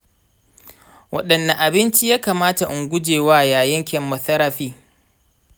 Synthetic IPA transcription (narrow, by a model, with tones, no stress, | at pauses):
wɐ̰˦ɗɐ˨nːa˨ʔa˨bɪ˦nt͡ʃi˦jaː˦kaː˨maː˦ta˨ʔʊ˨ŋɡʷʊ˦d͡ʒeː˨waː˦jaː˨jɐ˦ŋkʲɛ˨mːʊ˨θɐ˦ɾɐ˦ɸiː˦